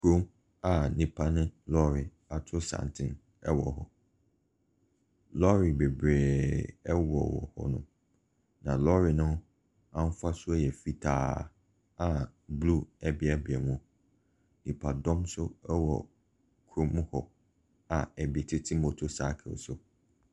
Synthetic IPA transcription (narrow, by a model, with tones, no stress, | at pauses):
kʰu˦m | a˨nĩ˨pʰa˦nʊ̃˦lɔ˦ɾɪ˨ | a˨tʰʊ˦sã̰˨ntʰɪ̃˦n | ɛ˦wɔ˨ɦɔ˨ | lɔ˦ɾi˨be˨bɾeː˨ɛ˦wɔ˨wɔ̰˨hɔ̰˦nʊ̰̃˦ | nã˨lɔ˦ɾɪ˨nʊ̃˦ | ã˦m̩˦fa˦sʊ˦a˦jɛ˨fi˦tʰaː˦˨˦ | a˨blu˦ɛ˦bɪ˦a˦bɪ˨ɛ˨mũ˨ | nĩ˨pʰa˨dɔ̃˦msʊ˦ɛ˦wɔ̰˨ | kʰɾʊ˦mũ˦hɔ̰˨ | a˨ɛ˨bɪ˨ɛ˨tʰɪ˦tʰĩ˦mo˨tʰo˨sa̰˦kʰɪ̰˨sʊ˨